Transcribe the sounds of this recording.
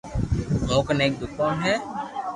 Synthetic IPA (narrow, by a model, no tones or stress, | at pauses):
noːkəneːk̚d̪ʊkːɔːnɦɛː